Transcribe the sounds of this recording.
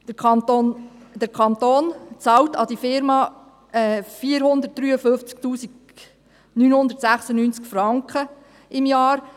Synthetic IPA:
d̥əkʰɑnt̪oːnt͡sɑltɑd̥̪ifɪɾmɑ | ɛfiːɾhʊnd̪ət̚d̥ɾyːəfɵft͡sk̚tuːsiɡ | nyːnhʊnd̪əɾtsæχsənynt͡skfɾɑŋkχə | ɪmjɑːɾ

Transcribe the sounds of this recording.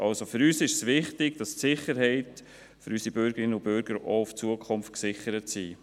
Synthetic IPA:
ʔɑlsofʏɾyːsɪʃsʋɪχtɪɡ̥d̥ɑstsɪχəɾɦɛɪt | fyɾysibʏɾɡ̥əɾɪnəʊb̥ʏɾɡ̥əɾoʊft͡suəkʰʊmftksɪχəɾətsiː

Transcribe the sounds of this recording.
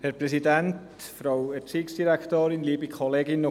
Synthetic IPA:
hɛɾpɾɛsidænt | fɾawɛɾt͡siːksd̥iɾækt̪øːɾɪnliːbikʰoleːɡɪnːo

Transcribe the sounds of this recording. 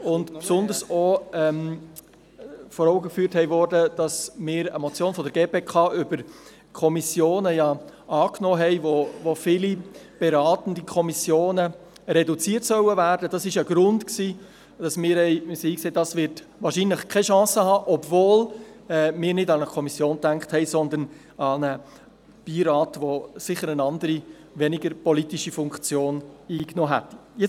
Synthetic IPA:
ʊntpsʊnd̪əɾsoɛm | fɔɾɔʊɡəkfyːɾthɛɪvɔɾdəd̥ɑsmɪːɾəmɔt͡sjoːnfɔdəɾɡ̥eːpeːkʰɑːʔʏbəɾ | kʰɔmisjoːnəjɑʔɑːknɔːɦɛɪvovofiːlib̥eɾɑːtən̩dikʰɔmisjoːnə | ɾɛdut͡siːərtsœwəvæːɾdəd̥ɑsɪʃəɡɾʊntksiː | d̥ɑsmɪːɾɛɪsiiːkseːd̥ɑsʋɪɾt | ʋɑːɾʃiːnləχkʰɛʃɑ̃ːsəhɑːʔɔbvoːlɛmɪːɾnɪdɑnəkʰɔmisjoːntæŋkχthɛɪsɔnd̪ən | ɑnə | b̥iːɾɑːtʋosɪχːəɾənɑndəɾi | ʋɛnɪɡəɾpɔlitiʃifʊŋkt͡sjoːniːknoːɦɛtjɛ

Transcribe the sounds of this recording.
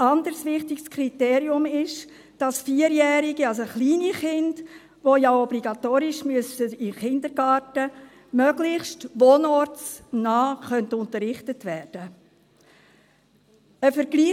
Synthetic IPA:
ɑndəɾsʋɪχtɪɡskʰriteːɾiʊmɪʃ | d̥ɑsfiːəɾjɛːɾiɡiɑls̬oχliːniχɪnd̥ | ʋojaɔbliɡɑtoːɾɪʃmyəsəɪχɪndəɾɡɑːɾtə | mœɡlɪχstʋoːnɔɾt͡snɑːχœntʊntəɾːɪχtətʋɛːɾd̥ə | əfəɾɡliː

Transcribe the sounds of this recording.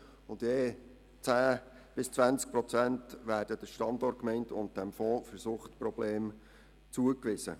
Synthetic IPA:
ʊndjeː | t͡sæː | b̥ɪst͡sʋænt͡sk̚pɾɔt͡sæntʋæːɾd̥əd̥əʃtɑndɔrt̚kmɛɪntʰʊ̰nt̚d̥æmfɔːfəɾsuːχtprɔb̥leːm | t͡suəkʋɪsə̰

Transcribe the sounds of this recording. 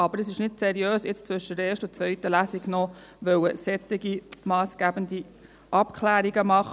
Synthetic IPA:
ɑbəɾəsɪʃnɪtsɛɾiøːsɪt͡st͡sʋʏʃədəɛːʃtʊt͡sʋœɥtəlæsiɡnɔ | ʋœwəsɛt̪ːɪɡimɑːsɡ̥æbənd̪i | ʔɑpkʰlæːɾiɡəmɑχ

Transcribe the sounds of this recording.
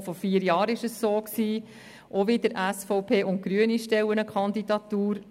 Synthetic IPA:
fɔfiːəɾjɑːɾɪʃəsːoːksiː | ʔoʋidəɾʔæsfɔʊpʰeːʔʊnt̚ɡ̥ɾyəniʃtɛwənəkʰɑnd̪idɑt̪uːɾ

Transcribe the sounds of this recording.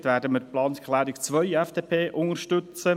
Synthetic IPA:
t̪ʋæːɾdəməɾplɑːnskʰlæːɾikt͡sʋœʏɛfd̥eːpʰeːʔʊŋəɾʃtʉt͡sə

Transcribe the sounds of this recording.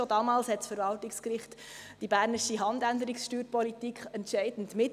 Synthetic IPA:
odɑːmɑːlshɛtsfəɾvɑltɪkskɾɪχtd̥ibæːɾnɪʃiɦɑndændəɾɪksʃtyːɾpɔlitikχɛntʃɛɪd̥ən̩tmɪt

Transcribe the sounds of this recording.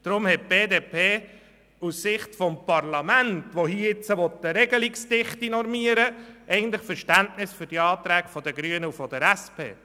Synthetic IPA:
d̪̥ɾʊmhɛt̚b̥eːdeːpʰeː | ussɪχtfɔmpɑrlɑmæntʋohiɪt͡səʋɔt̪ːəɾɛɡəliksd̥ɪχtinɔɾmiəɾəʔɛɪɡəntlɪχfəɾʃtæntnɪsfʏɾd̥iɑːt̪ɾæːɡ̥fɔd̥əɡɾyənəufɔd̥̪əɾæspʰḛː

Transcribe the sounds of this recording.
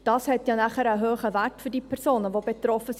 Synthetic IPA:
d̥ɑshɛtjɑːnæχəɾəɦøːχəværtfʏdiːpʰɛrsoːnəvobetrɔfəs

